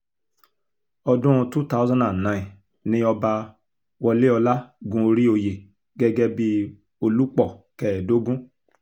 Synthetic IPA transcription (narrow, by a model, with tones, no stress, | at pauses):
ɔ˧dũ˦˧tu˦ta˦zɔ̃˦na˨nã˨ĩ˨ | nĩ˧˦ɔ˧ba˧ | wɔ˧le˦ɔ˧la˦ɡũ˧˦o˧ɾi˦o˧je˨ | ɡɛ˦ɡɛ˦bi˦ | o˧lu˦k͡pɔ˦˨kɛ˦˨do˨˦ɡũ˦